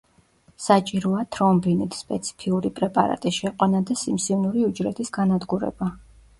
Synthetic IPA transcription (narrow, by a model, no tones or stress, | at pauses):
sat͡ʃʼiɾɔat̪ʰɾɔmbinit̪ʰspʼɛt̪sʰi̥pʰiuɾipʼɾɛpʼa̰ɾa̰t̪ʼisʃɛqʼwanad̪asimsivnuɾiud͡ʒɾɛt̪ʰʼisɡanad̪ɡuɾɛ̰ba